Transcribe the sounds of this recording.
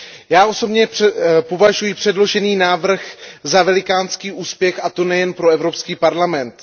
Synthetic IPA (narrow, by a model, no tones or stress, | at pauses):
jaːʔo̞so̞bɲɛpovaʒujɪpr̥ɛdlo̞ʒɛniːnaːvr̩xzavɛlɪkaːnskiːʔuːspjɛxʔat̪o̞nɛjɛnpɾo̞ɛvɾo̞pskiːpaɾlamɛnt̪